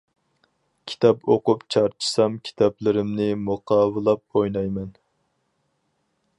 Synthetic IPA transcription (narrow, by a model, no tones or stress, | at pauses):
kʲʰi̥t̪ʰɑpoqʊpt͡ʃʰɑɾt͡ʃʰi̥sɑmkʲʰi̥t̪ʰɑplɪɾɪmnɪmoqʰɑːwɨlˠɑp̚ojnɑjmɛn